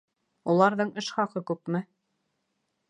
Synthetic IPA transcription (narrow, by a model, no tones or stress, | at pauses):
ulˠɑɾðɤɴɘʃχɑqɤkʉpmɘ